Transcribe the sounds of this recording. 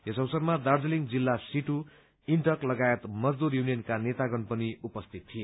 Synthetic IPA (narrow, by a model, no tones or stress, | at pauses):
esʌwsʌrmad̪ard͡zʌliŋɡd͡zilːasiʈu | iɳʈʌklʌɡaet̪mʌd͡zd̪urjunijʌnkanet̪aɡʌnpʌniupʌst̪ʰit̪̚ʰːije